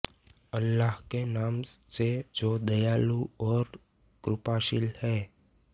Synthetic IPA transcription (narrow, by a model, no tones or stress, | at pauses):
ɐlːaːɦkenaːmsed͡ʒoːd̪ɐjaːluɔːɾ | kɾʊpaːʃɪlhɛː